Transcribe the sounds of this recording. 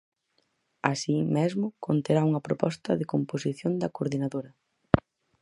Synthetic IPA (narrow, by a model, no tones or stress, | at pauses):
asimezmʊkont̪eɾauŋɐpɾopɔst̪ɐðɪkomposiθjond̪ɐkoɾðinaðoɾɐ